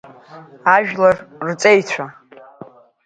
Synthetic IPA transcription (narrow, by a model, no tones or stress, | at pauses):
aʒᶣlarrt͡sʼejt͡ɕʷʰa